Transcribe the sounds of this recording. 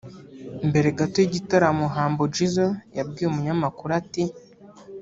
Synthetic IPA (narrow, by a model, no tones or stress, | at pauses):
mbe̞ɾe̞ɡatojiɟitaɾamoɦaːmbod͡ʒizojab̚ɡiːjumuɲamakuɾati